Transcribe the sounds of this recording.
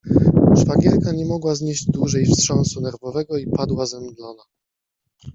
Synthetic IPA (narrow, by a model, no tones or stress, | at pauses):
ʐvaɡʲjɛɾkaɲɛmɔɡwazɲeʑd͡ʑd̪wuʐɛjfstʂɔnsunɛɾvɔvɛɡɔipad̪wazɛmd̪lɔna